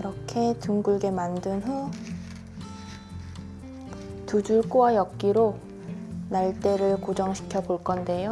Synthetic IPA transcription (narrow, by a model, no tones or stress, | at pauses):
iɾʌkʰe̞tuŋɡuɭɡe̞mandɯnɦo | tud͡ʑuɭk͈owajʌk̚k͈iɾo | naɭt͈e̞ɾɯɭkod͡ʑʌŋɕʰi̥kʰjʌboɭk͈ʌnde̞jo